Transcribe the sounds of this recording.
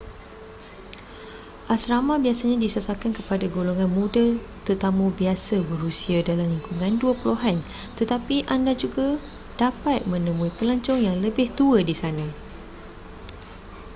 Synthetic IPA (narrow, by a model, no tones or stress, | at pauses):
ʔasɾamãbiasaɲãdisasakankəpadaɡoloŋãnmũda | t̪ərt̪amũbiasabəɾusiadalamliŋkuŋãnduapəloɦant̪ət̪apiʔandad͡ʒuɡa | d̥apat̪̚mə̃nə̃mũipəlaɲt͡ʃʊŋjaŋləbɪht̪uədisanã